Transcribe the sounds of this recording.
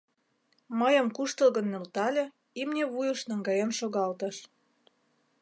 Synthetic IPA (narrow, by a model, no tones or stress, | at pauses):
məjə̆mkuʃt̪ə̆lɣə̆nːølt̪ɑlʲĕ | imnʲeβujə̆ʃnɑŋɡɑjemʃoɣɑlt̪ə̆ʃ